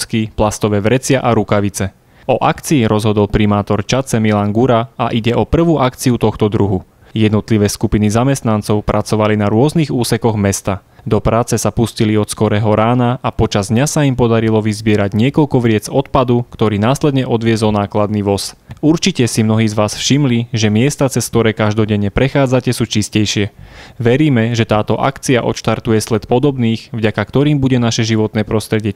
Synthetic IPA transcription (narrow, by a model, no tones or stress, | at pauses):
skiplast̪ɔʋɛːʋɾɛt͡sɪaʔaɾukaʋit͡sɛ | ɔʔakt͡siːɾʔɔzɦɔd̪ɔlpɾimaːt̪ɔɾt͡ʃat͡sɛmilaŋɡuɾaaʔiɟɛʔɔpr̩ʋuːʔakt͡siut̪ɔxt̪ɔd̪ɾuɦu | jɛd̪nɔt̪liʋɛːskupinizamɛst̪nant͡sɔʊpɾat͡sɔʋalinaɾʊɔzniɣuːsɛkɔɣmɛst̪ad̪ɔpɾaːt͡sɛsapusciliɔt̪skɔɾɛːɦɔɾaːnaapɔt͡ʃazd̪ɲasaimpɔd̪aɾilɔʋizbɪɛɾaɟɲɪɛkɔlkɔʋɾɪɛd͡zɔt̪̚pad̪ukt̪ɔɾiːnaːslɛd̪ɲɛʔɔd̪ʋɪɛzɔlnaːklad̪̚niʋɔsuɾt͡ʃicɛsimnɔɦiːzʋaːsfʃimliʒɛmɪɛst̪at͡sɛsk̚t̪ɔɾɛːkaʒd̪ɔɟɛɲːɛpɾɛxaːd͡zacɛsuːt͡ʃiscɛjʃɪɛʋɛɾiːmɛʒɛt̪aːt̪ɔʔa̰kt͡siaʔɔ̰ʃt̪aɾt̪ujɛslɛt̪pɔd̪ɔbniːxvɟakakt̪ɔɾiːmbuɟɛnaʃɛʒiʋɔt̪nɛːpɾɔst̪ɾɛɟɪɛ